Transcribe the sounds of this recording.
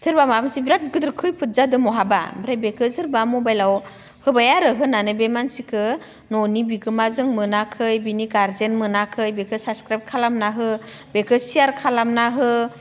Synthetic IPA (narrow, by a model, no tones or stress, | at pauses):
tʰɯɾbamamsibiɾat̚ɡɯdɯɾkʰɯjpʰɯt̚zadɯmɔɦaba̰bɾajbekʰɯzɯɾbamubajlaw | hɯbajaɾɯɦɯnanɯbemansikʰɯ | nɔnibiɡɯmazɯŋmɯnakʰɯjbinikaɾzenmɯnakʰɯjbekʰɯsaskɾajpt̚kʰalamnaɦɯbekʰɯsijaɾkʰalamnaɦɯ